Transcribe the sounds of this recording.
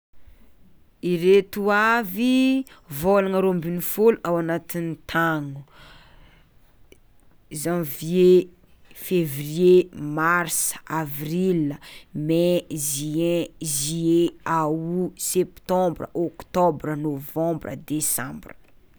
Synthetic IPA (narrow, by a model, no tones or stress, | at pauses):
iɾet̪uavivolaŋəɾombinifuluʔawanat̪init̪ʰaŋu | zãvie | fevriemarsavriləmeziɛ̃zieawusɛpt̪ɔ̃mbrəɔkt̪ɔbɾənovɔ̃mbrə̰d̪esã̰mbr